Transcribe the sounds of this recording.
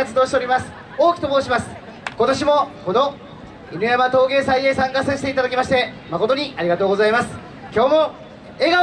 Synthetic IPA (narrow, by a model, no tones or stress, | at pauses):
at͡sɨd̪oːɕit̪eoɾʲimasɨ̥ | o̞ːkʲi̥t̪oboːɕimasɨ̥ | ko̞t̪o̞ɕimo̞ko̞no̞ | inɯjamat̪o̞ːɡe̞ːsaieːsãŋkasaɕi̥t̪e̞it̪ad̪akʲimaɕi̥t̪e̞ | mako̞t̪o̞ɲ̟iaɾʲiɡat̪o̞ːɡo̞zaimasɨ̥ | kʲo̞ːmo | e̞ɡa